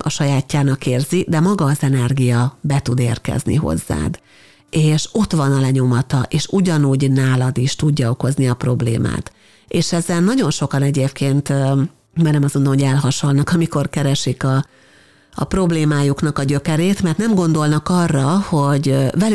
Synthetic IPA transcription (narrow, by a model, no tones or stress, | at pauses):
ɒʃɒjaːcːaːnɒkeːrzid̪ɛmɒɡɒːzɛnɛrɡijɒbɛt̪ud̪eːrkɛ̰znḭɦo̞̰zːa̰ːd̪ | eːʃo̞t̪ʋɒnɒlɛɲo̞mɒt̪ɒʔeːʃuɟɒnuːɟnaːlɒd̪iʃt̪uɟːɒo̞ko̞zniɒpro̞blḛːma̰ːt̪ | eːʃɛzɛnːɒɟo̞nʃo̞kɒnɛɟeːpkʰeːnt̪ | maːrnɛmɒsɡo̞nd̪omɦoɟɛlɦɒʃolnɒkɒmiko̞rkɛɾɛʃikɒ̰ː | pro̞bleːmaːjuknɒkɒɟø̞kɛɾeːt̪mɛrt̪nɛmɡo̞nd̪o̞lnɒkɒrːɒho̞ɟvɛ